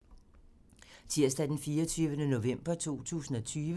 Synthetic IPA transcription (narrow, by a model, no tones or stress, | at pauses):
t͡sʰiɐ̰sd̥æd̥enfiːɐt͡sʰyːʋənəno̝ʋem̰b̥ɐt͡sʰo̝̰ːt͡sʰṵːsn̩ɒ̽t͡sʰyːʋə